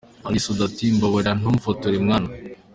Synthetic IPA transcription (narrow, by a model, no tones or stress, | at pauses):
alisodatimboβoɾan̥omfotoɾemŋaːna